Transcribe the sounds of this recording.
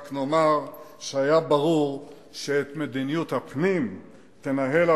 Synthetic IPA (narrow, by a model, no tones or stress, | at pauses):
kno̞maʁʃeajabaʁuʁ | ʃeet̪med̪inijut̪hapnim | t̪enaɦe̞la